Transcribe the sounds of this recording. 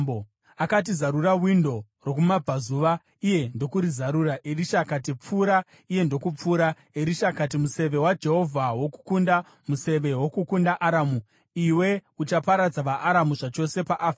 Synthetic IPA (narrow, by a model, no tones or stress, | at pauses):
bo | akatizaɾurawindo̞ | ro̞kumab͡vʱazuʋa | ije̞ndo̞kuɾizaɾuɾaʔeriʃakat̬ip͡fuːɾa | ije̞ndo̞kup͡fuːɾa | eɾiʃakat̬imuse̞ʋe̞wad͡ʒe̞ɦo̞vʱawo̞ku̥kunda | muse̞ʋe̞wo̞kukundaʔaɾamu | iwe̞ut͡ʃapaɾad͡zaʋaʔaɾamuʐat͡ʃo̞se̞paʔafa